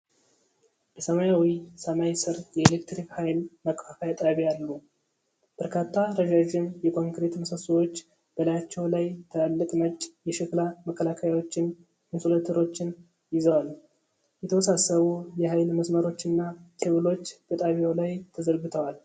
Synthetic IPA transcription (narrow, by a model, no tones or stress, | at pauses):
bəsəmajawisəmajsɨɾjɛelek̚t̪ɾikhajlməkʼfafajat̪ʼaβijalːu | b̥əɾkʰat̪ʰːaɾəʒaʒɪmjɛkʰo̞ŋkɾe̞t̪məsəsuwo̞t͡ʃː | b̥əlajat͡ʃːɛwlajt̪ʰəalːəkʼnət͡ʃʼːjɛʃɪklaməkːəlakʰajawo̞t͡ʃːɪn | ɨnsulat̪ʰəɾo̞t͡ʃːɪn | jɪzəwal | jɛt̪ʰəwɔsasəβujɛɦajlməsməɾo̞t͡ʃːɨnːat̪ʰɨβɨlo̞t͡ʃːb̥ət̪ʼaβjawlajt̪ʰəzəɾɡɨt̪ʰəwal